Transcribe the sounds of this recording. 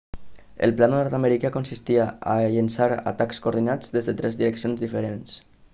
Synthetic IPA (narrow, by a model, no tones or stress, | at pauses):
ə̰lˠplaðnɔɾt̪ameɾikakonsist̪iaa̰ʎənsaɾa̰t̪akskoːɾðinad͡zðezðət̪ɾɛzðiɾəksionzðifəɾens